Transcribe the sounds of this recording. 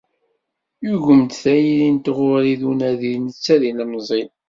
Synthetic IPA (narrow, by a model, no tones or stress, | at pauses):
juʝəmt̪θæjilint̪ʁʊɾiðunæðinət͡sːæðinæmzˤin